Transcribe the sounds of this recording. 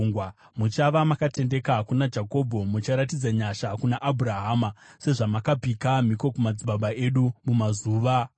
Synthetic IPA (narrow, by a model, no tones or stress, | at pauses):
ŋɡwa | mut͡ʃaʋamakate̞nde̞kakunad͡ʒako̞bʱo̞mut͡ʃaɾatid͡zaɲaʃakunaʔabʱuɾaɦaːmase̞ʐamakab͡vikam̤iko̞kumad͡ziɓaɓaʔe̞ɗumumazuːʋa